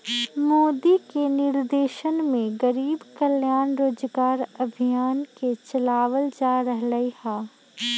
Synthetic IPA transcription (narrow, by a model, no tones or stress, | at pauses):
moːd̪ikenɪɾd̪eːʃənmẽɡɐɾiːbkəljaːnɾoːd͡ʒɡaːɾɐbʱijaːnket͡ʃɐlaːʋəld͡ʒaːɾɐɦlɐihɛː